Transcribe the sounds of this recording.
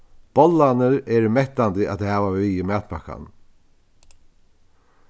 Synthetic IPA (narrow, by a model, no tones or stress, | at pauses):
b̥ɔlːanəɾɛɾmɛht̪ant̪ɪʔa̰t̪hɛːvavɪjɪmæːt̪̚pʰaka̰n